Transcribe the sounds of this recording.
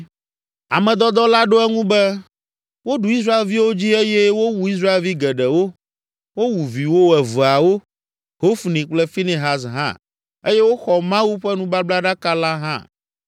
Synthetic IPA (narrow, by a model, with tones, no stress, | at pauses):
a̰˨mɛ̃˨d̪ɔ˦d̪ɔ˦la˦ɖo˦ɛ˦ŋũ˦bɛ˦ | wo˦ɖu˨i˦s̬ɾa˦e˨lvi˦wo˦d͡ʑi˦e˦jɛ˦wo˦wu˨i˦s̬ɾa˦e˨lvi˦ɡɛ˨ɖɛ˨wo˦ | wo˦wu˨vi˨wo˦˨ɛ˨vu˨a˨wo˦ | ho˦fnĩ˨k͡plɛ˦fi˦ne˨ɦa˨s̬ɦã̰˦ | e˦jɛ˦wo˦xɔ˨mã˦wu˦ɸɛ˦nũ˦ba˦bla˦ɖa˦ka˦la˦ɦã̰˦˨